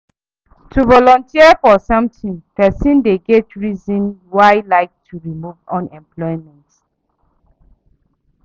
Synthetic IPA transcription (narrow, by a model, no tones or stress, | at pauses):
tʰuvɔlɔ̃ntʰiəfɔsãmtĩnpɛsĩndeɡɛtɹizĩnwaɪlaɪk̚tʰuɹimuvɔ̃nɛ̃mplɔjmɛ̃nt